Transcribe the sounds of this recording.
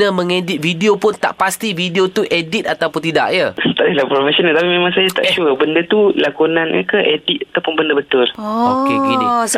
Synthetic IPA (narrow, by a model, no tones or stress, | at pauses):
əmə̃ŋedɪt̪̚fidiopʊnt̪a̰ʔpast̪ividiot̪uʔedit̪̚at̪apʊnt̪̬ida̰ʔjəst̪alilapɾofesonalt̪apimẽmãŋsajat̪a̰ʔt͡ʃuəbəndət̪ulakunãnɲə̰kaʔedit̪̚at̪awpʊnbəndəbət̪ʊlɔokekin